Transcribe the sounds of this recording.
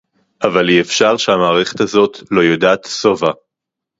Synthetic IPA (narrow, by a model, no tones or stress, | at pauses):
ʔavaliefʃaʁʃeamaːʁeχe̞̥t̪azo̞t̪lo̞jodaːt̪sova